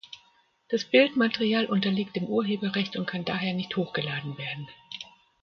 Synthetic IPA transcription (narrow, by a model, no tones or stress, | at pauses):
d̥asb̥ɪltmateʁiaːlʔʊntɐliːk̚td̥ɪːmʔuːɐɦeːbɐʁɛçtʊntkʰandaːɦeːɐnɪçthoːxɡ̥əlaːdn̩veːɐdn̩